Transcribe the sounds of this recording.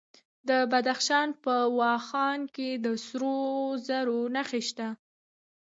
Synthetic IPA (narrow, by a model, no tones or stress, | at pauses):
d̪əbad̪axʃɑnpəwɑxɑnked̪əsɾozaɾonaxeʃt̪a